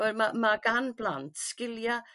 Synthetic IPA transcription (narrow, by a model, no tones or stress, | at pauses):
ɛɾmamaɡ̥anb̥lantskɪlja